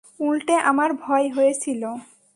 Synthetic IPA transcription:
ulʈeʔamaɾbʱɔeɦojet͡ɕʰilo

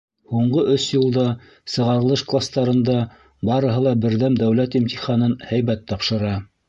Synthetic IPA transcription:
huɴɢɤʔɵsjɤ̆lˠd̪ɑ | sɤ̆ʁɑɾɤ̆lˠɤʃklˠast̪ɑɾɤ̆nd̪ɑ | bɑɾɤ̆ɦɤlˠɑbɘ̆ɾðæmd̪æwlæt̪imt̪ʲiχɑnɤnhæjβæt̪ʰːɑpʃɤ̆ɾɑ

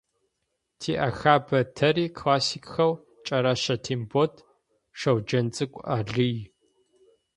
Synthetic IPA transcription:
tʰiːʔɐxaːbɐtʰɐɾiːkʰlaːsikʼxɐw | t͡ʃʼɐɾɐɕɐtʰimbotʰ | ʂɐwd͡ʒɐnt͡sʼɨkʷʼaɮɨj

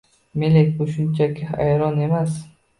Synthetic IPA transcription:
melek̚ʲbʊʃʊnt͡ʃʰakʲʰɪajɾɒne̞mas

